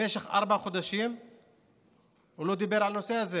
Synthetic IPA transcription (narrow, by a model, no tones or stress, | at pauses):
eʃexʔa̰ɾbaχod̪aʃim | ulod̪ibeɾʕalnosehaze